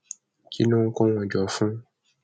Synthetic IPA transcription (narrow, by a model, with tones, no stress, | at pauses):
ki˦nũ˦ŋ̩˦kɔ̃˦w̃ɔ̃˨d͡ʒɔ˨fũ˦